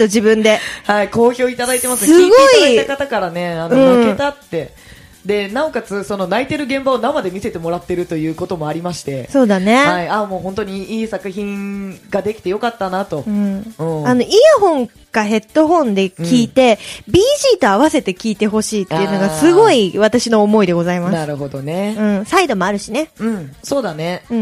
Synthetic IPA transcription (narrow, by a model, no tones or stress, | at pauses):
t̪od͡ʑibɯ̟̃nd̪e̞haiko̞ːço̞ːit̪ad̪ait̪e̞masɨnseɨɨɡo̞iait̪akat̪akaɾane̞anoɯ̟̃m̃ɯket̪at̪ːe̞ | d̪e̞nao̞kat͡sɨso̞no̞nait̪e̞ɾɯ̟ɡẽ̞mbaonamad̪e̞mʲise̞t̪e̞mo̞ɾat̪ːe̞ɾɯ̟t̪o̞jɯ̟ːko̞t̪o̞mo̞aɾʲimaɕi̥t̪e̞so̞ːd̪ane̞haiamo̞ːɦont̪oɲ̟iiːsakɯ̟çĩɡad̪e̞kʲi̥t̪ejo̞kat̪ːanat̪o̞ɯ̟̃ɯ̃ano̞ʔiːɦõ̞ŋ | kaɦe̞t̪ːo̞ɦõ̞nd̪e̞kʲiːt̪e̞bʲiːʑiːt̪o̞aβase̞t̪e̞kʲiːt̪e̞ɦo̞ɕiːt̪eɯno̞ɡasɨɡo̞iβ̞at̪aɕino̞ːmo̞id̪e̞ɡo̞zaimasnaɨɾɯɦo̞d̪oneɯ̟̃said̪o̞mo̞aɾɯ̟ɕine̞ɯ̟̃ɴso̞ːd̪ane̞ɯ̟̃